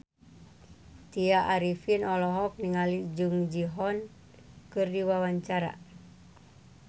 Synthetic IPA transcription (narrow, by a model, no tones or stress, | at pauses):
t̪iaʔaɾifinɔlɔɦɔk̚niŋalid͡ʒuŋd͡ʒiɦɔn | kɨrdiwawaɲt͡ʃaɾa̰